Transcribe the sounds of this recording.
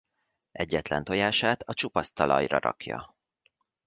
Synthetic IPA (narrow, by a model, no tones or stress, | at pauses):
ɛɟːɛt̪lɛnt̪o̞jaːʃaːt̪ʰɒt͡ʃupɒst̪ɒlɒjrɒɾɒ̰kjɒ̰